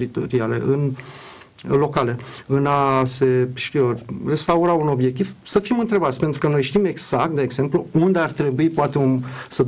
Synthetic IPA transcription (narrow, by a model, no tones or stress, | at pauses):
ɾit̪oɾiale̞̰ʔɨn | lo̞kale̞ɨnase̞ʃt̪iore̞st̪auɾauno̞bje̞k̚t̪ivsəfimɨnt̪ɾe̞bat̪sʲpe̞nt̪ɾukəno̞jʃt̪ime̞ɡz̥akt̪̚d̪eːɡz̥e̞mpluund̪eart̪ɾe̞buipoat̪eumsəd̪